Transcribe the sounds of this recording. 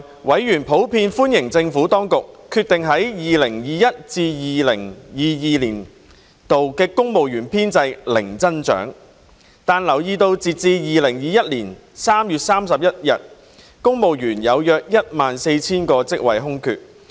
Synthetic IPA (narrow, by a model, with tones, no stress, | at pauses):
wɐ˨˥jjyː˨˩npʰo˨˥wpʰiː˧nfuː˥njɪ˨˩ŋt͡sɪ˧ŋfuː˨˥t̪ɔː˥ŋkʊ˨kkʰːyː˧t̪ɪ˨ŋɦɐ˨˥jjiː˨lɪ˨˩ŋjiː˨jɐ˥t̚t͡siː˧jiː˨lɪ˨˩ŋjiː˨˧jiː˨liː˨˩n | t̪o˨wkɛː˧kʊ˥ŋmo˨wjyː˨˩npʰiː˥nt͡sɐ˧jlɪ˨˩ŋt͡sɐ˥nt͡ʃœ̰ː˨˥ŋ | t̪aː˨˧nlɐ˨˩wjiː˨˧t̪o˧wt͡siː˨t̚t͡siː˧jiː˨lɪ˨˩ŋjiː˨jɐ˥t̚liː˨˩n | saː˥mjyː˨t̚saː˥msɐ˨p̚jɐ˥t̚jɐ˨t̚ | kʊ˥ŋmo˨wjyː˨˩njɐ˨˧wjœː˧k̚jɐ˥t̚maː˨nse˧jt͡sʰiː˥nkɔː˧t͡sɪ˥k̚wɐ̰˨jɦʊ˥ŋkʰy̰ː˧t̚